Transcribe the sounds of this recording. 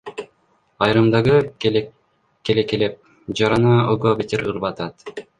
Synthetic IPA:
ɑjɾɯmd̪ɑʁɯ | kelekelep̚ | d͡ʒɑɾɑnɑoɡobet̪ʲiɾɯɾbɑt̪ɑt̪

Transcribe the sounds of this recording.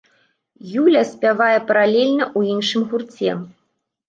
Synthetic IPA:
julʲɐsʲpʲavajɛpɐɾalʲɛlʲnɐʔuinʂɨmɣurt͡sʲɛ̰

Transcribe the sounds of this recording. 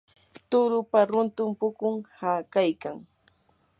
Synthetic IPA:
t̪ʊɾʊpaɾʊnt̪ʊmpʊkʊŋhakajkaŋ

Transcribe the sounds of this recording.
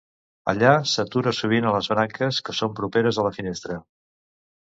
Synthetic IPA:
ə̰ʎasət̪uɾəsuβ̞inələzβɾaŋkəskəsompɾupeɾəzələfinest̪ɾə

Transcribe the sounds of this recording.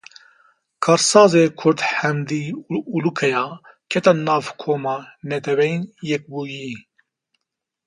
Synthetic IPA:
kʰɑːɾsɑːzeːkʰʊɾd̪ħɛmd̪iːulukʰɛjɑː | kʰɛt̪anɑːvkʰoːmɑːnɛt̪ʰɛvɛjnjɛk̚buːji

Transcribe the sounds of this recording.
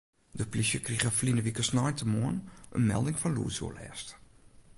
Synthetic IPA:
dəplisjəkrixəflinəʋikəsnɔjntəmoənʔə̰nmɛ̰lˠdɪŋfɔnlṵːsjṵlɛ̰ːst

